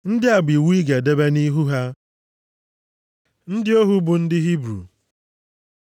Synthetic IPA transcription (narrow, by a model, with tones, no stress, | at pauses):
n̩˦dɪ˦a˨ɡ͡bi˨wu˦i˦ɡe˨de˦be˦ni˦ɦu˦ɦa˦ | n̩˦dɪ˦o˦ɦu˦bʊ˨n̩˦dɪ˦ɦi˦bɾṵ˨